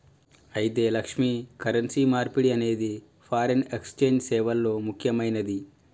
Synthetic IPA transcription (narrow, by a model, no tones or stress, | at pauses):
ɐjit̪e̞ːlɐkʂmikɐɾɐnsiːmaːɾpiɽiɐne̞ːd̪i | pʰaːɾɐnekst͡ʃe̞ːɲd͡ʒsɛːʋɐlːo̞ːmukʰjɐmɐjnɐd̪i